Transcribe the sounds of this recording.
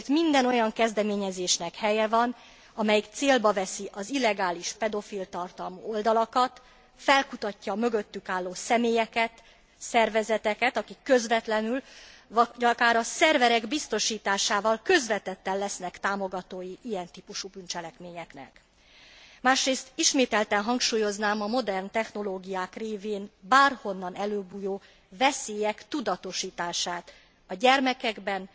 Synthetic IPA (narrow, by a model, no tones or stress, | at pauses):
t̪mind̪ɛno̞jɒŋkɛzd̪ɛmeːɲɛzeːʃnɛkhɛjɛvɒn | ɒmɛjikt̪seːlbɒvɛsiʔɒzilːɛɡaːliʃpɛd̪o̞filt̪ɒrt̪ɒlmuːo̞ld̪ɒlɒkɒt̪ | fɛlkut̪ɒcːɒmø̞ɡøt̪ːykaːlːoːsɛmeːjɛkɛt̪ | sɛrvɛzɛt̪ɛkɛt̪ɒkikːø̞zvɛt̪lɛnyl | ɟɒkaːɾɒsɛrvɛɾɛɡbist̪o̞ʃiːt̪aːʃaːvɒlkø̞zvɛt̪ɛt̪ːɛllɛsnɛkt̪aːmo̞ɡɒt̪oːjiʔijɛnt̪iːpuʃubynt͡ʃɛlɛkmeːɲɛknɛ̰k | maːʃreːst̪iʃmeːt̪ɛlt̪ɛnɦɒŋkʃuːjo̞znaːmɒmo̞d̪ɛrnt̪ɛxno̞loːɡijaːkreːveːnbaːrho̞nːɒnɛløːbuːjoː | vɛseːjɛkt̪ud̪ɒt̪o̞ʃiːt̪aːʃaːt̪ | ɒɟɛrmɛkɛɡbɛn